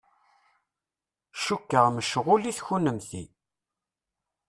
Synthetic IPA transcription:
ʃukːəʁməʃʁʊliθçunəmθḭ

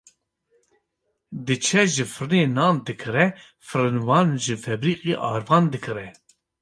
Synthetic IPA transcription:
d̪ɨt͡ʃʰɛʒɨfɨɾɨneːnɑːnd̪ɨkʰɨɾɛ | fɨɾɨnwɑːnʒɨfɛbɾiːqiʔɑ̰ːɾvɑːnd̪ɨkʰɨɾɛ

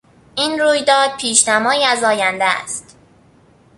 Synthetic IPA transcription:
ʔiːnɾuːjd̪ɒːd̪̚pʰiːʃnæmɒːiːæzɒːjænd̪ææ̰st̪

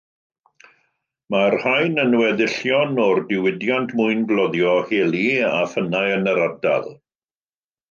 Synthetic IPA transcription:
marhajnənwɛðɪɬjɔnɔrdɪwɪdjantʰmʊɨnblˠɔðjɔheːlˠiafənajənəɾada̰lˠ

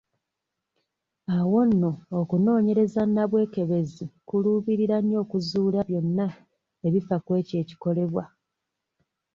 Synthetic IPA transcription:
awo̞nːo̞ːkuno̞ːɲe̞ɾe̞zanːaβwe̞ːke̞βe̞zikuluːβiɾiɾanjo̞ːkuzuːlaβjo̞nːa | eβifakwe̞ːce̞ːci̥ko̞le̞βwa

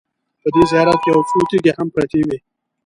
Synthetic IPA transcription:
pəd̪ezjɑɾat̪̚keawfut̪iɡehampɾat̪ewi

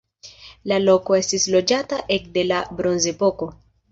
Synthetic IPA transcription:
lalo̞ko̞e̞stislo̞d͡ʒataʔe̞kde̞labɾo̞nze̞po̞ko̞

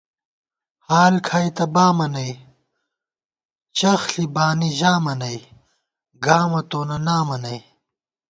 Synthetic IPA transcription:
haːlkʰaːit̪ɐbaːmɐnɐj | t͡ɕɐxɬibaːniʑaːmɐnɐi | ɡaːmɐt̪oːnɐnaːmɐnɐj

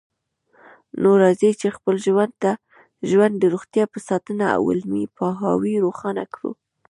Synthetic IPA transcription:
noɾɑzit͡ʃexpəlʒwand̪̚t̪a | ʒwand̪d̪ːəɾoɣt̪jɑpəsɑt̪ənaa̰wɪ̰lmipɑɦɑ̰wiɾoxɑna̰kɽṵ

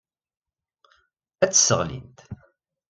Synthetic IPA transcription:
æt͡sːsəʁlḭnt̪

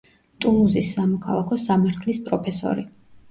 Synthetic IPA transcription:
t̪ʼunuzisːamɔkʰalˠakʰɔsamaɾt̪ʰlispʼɾɔpʰɛsɔ̰ɾi

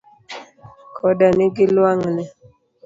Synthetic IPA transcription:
kʰɔdanɪɡɪlwaŋnɛ

